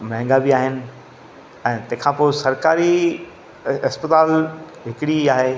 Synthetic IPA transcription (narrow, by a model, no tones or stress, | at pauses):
mɐ̃ɦŋɡabiaːɦɪnɪ̆ | ɛ̃ːt̪ɐ̃ɦɪ̃kʰãːpoːɪsɐɾkaːɾi | ɐspət̪aːl | ɦɪkɪɽiaːɦeː